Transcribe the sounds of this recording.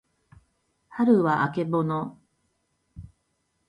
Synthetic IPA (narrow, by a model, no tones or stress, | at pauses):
haɾɯ̟βaʔake̞bono